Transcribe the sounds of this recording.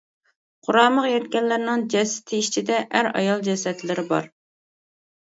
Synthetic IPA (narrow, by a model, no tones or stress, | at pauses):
qʰʊɾɑːməqjɛt̪kʲɛnlːɪɾnɪŋd͡ʒɛsɪ̥t̪ʰɪit͡ʃʰid̪ɛʔæɾɑ̰jɑlˠd͡ʒɛsɛt̪lɪɾɪbɑ̰ɾ